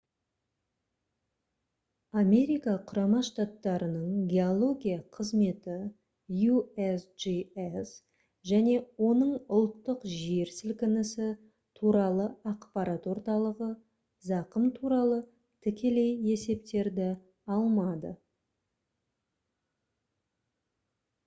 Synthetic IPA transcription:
ame̞ɾijkaqʰʊɾɑmɑʃt̪at̪ːɑɾənəɴɡʲe̞olˠo̞ɡʲijaqʰəzme̞t̪ɪ | juesʒies | ʒæne̞wo̞nəɴʊlˠt̪ːəqʒe̞ɾsɪlkʲɪnɪsɪ | t̪ʰuɾɑlˠəɑqpɑɾat̪wo̞ɾt̪ɑlˠəʁə | zɑqəmt̪ʰuɾɑlˠə | t̪ʰɪkʲe̞le̞je̞se̞p̚t̪e̞ɾd̪ɪ | ɑlˠmɑd̪ə̰

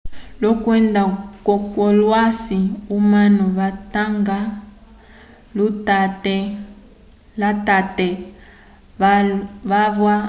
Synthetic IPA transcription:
lɔkwɛndakɔkɔlwasiumanɔβataŋɡa | lutt | latatɛ | βaβwa

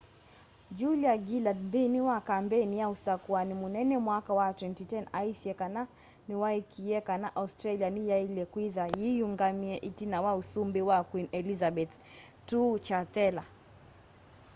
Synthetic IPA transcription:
d͡ʒuliaɡiladbiniwakambɛnijausakuanimunɛnɛmwakawatwɛntitɛnaisiɛkana | niwaikijɛkanaʔaustɾalianijailɛkwiðajijuŋɡamiɛʔitinawausumbiwakwinɛlizabɛt̪ | tut͡ʃatɛla

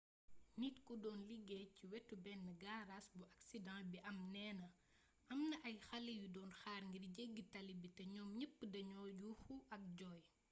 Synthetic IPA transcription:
nitkudɔːnliɡɛciwɛtːubɛnːəɡaɾasbuʔaksidɑ̃biʔɐmnɛːnɐ | ɐmnɐʔɐjxɐlɛjudɔːnxaːrŋɡirɟeɡːitɐlibitɐɲɔːmɲəpːdɐɲɔːjuxuʔɐk̚ɟɔːj

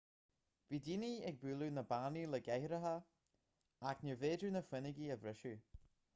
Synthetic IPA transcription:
viːdiniɛɡ̚bʉːlunəbaniləɡɛhɾəɦə | aknəveːdɾunəfwɪnɪɡiəvɾɪʃu

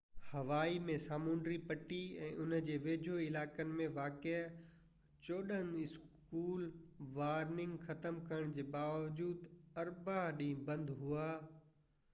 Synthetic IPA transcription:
hɐʋaːimẽsaːmũːɳɖɾipɐʈiɛ̰̃ːʔʊnəd͡ʑeːʋeːd͡ʑʱoɪlaːkənɪ̆mẽʋaːke | t͡ɕoːɗənɪs | kuːlʋaːɾnɪ̃ŋɡxɐt̪əmkɐɾəɽ̃d͡ʑeːbaːʋd͡ʑuːd̪ɐɾbaɦɗĩːbɐ̃nd̪ɦuaː

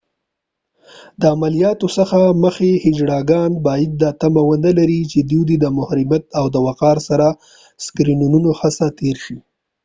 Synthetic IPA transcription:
d̪əamalijɑt̪osəxaməxehɪd͡ʒɽɑɡɑnbɑjad̪̚ːɑt̪amawənəlaɾit͡ʃed̪jud̪id̪əmʊhɾɪmjat̪awd̪əwaqɑɾsaɾa | skɾinununoxasat̪eɾʃi

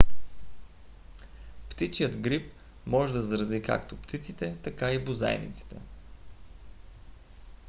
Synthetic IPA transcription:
pt̪itt͡ʃijəd̪ɡɾip | mɔʒɛd̪ɐzɾɐzika̰kt̪opt̪it̪sit̪ɛt̪ɐkaibʊza̰ɛ̰nḭt̪si̥t̪ɛ̰

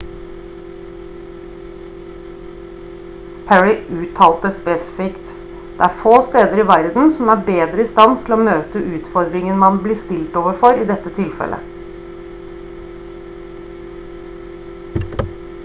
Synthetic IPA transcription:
pʰæɹɪʔʉːt̪ʰɑːlt̪əspeːsɪ̥fɪkt̪ | d̪̥ɛ̰ːæːɾfoːst̪eːd̪əɾɪʋæɾd̪n̩sɔmæːbeːd̪ɾəɪst̪ɑnt̪ʰɪloːmøːt̪əʔʉːt̪fɔɾd̪ɾɪŋənmɑnblɪːst̪ɪlt̪oːʋəɾfɔɾiːd̪ɛt̪ːət̪ʰɪlfɛ̰lʔə̰

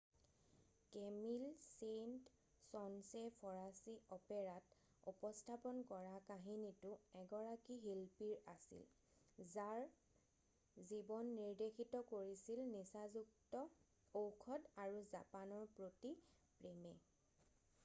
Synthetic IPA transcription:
kemilsent | sɔnsepʰɔɹasiɔpɛɹat | ṵpɔstʰapɔnkɔɹakaɦinitʊɛɡɔɹakiɦilpiɹasḭl | zaɹ | zibɔnːiɹdexʰitɔkoɹisilnisazuk̚tɔ | owkʰɔdaɹuza̰panɔɹpɹoti | pɹemɛ

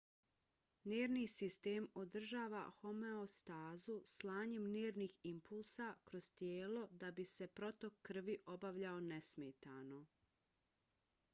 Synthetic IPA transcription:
neːɾnisist̪emo̞d̪r̩ʒaːʋa̰ho̞meost̪aːzuslˠaːɲe̞mneːɾniːximpʰulˠsakɾo̞z̥t̪jeːlo̞d̪abise̞pɾo̞t̪o̞kʰːr̩ʋiʔo̞baʋʎaonesmeːt̪aːno̞

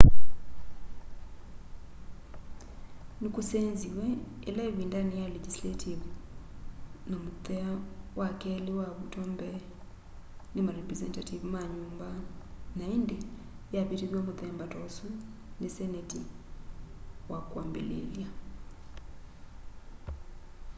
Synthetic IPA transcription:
nikusɛnziwɛɛlaiβindanijalɛd͡ʒislatʰivu | namutɛawakɛliwaβutɔmbɛ | nemaɾɛpɾɛzɛntativumaɲumbanaindɛ | japiteðjamutɛmbatɔsu | nesɛnɛti | wʔakwaːmbḛlḛlja

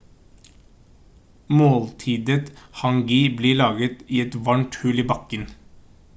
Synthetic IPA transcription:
moːlt̪ʰiːd̪ət̪hɑŋɡɪbliːɭɑːɡət̪iːɛt̪ʋɑɳʈhʉliːbɑkən

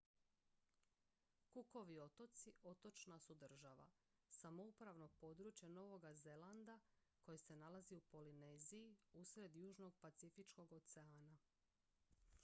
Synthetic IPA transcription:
kuko̞ʋio̞t̪o̞t̪siʔo̞t̪o̞t͡ʃnasud̪r̩ʒaʋa̰ | samo̞upɾaʋno̞po̞ːd̪ɾut͡ʃjano̞ʋo̞ɡaze̞land̪a | ko̞jese̞nalaziupo̞line̞zijiusɾe̞d̪juːʒno̞ɡ̚pat̪sifit͡ʃko̞ɡo̞t̪seaːna

